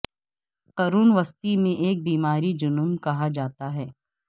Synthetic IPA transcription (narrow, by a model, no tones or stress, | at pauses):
qɐɾuːnʋɐst̪imẽʔeːk̚biːmaːɾid͡ʒʊnʊmkɐɦad͡ʒaːt̪aɦɛː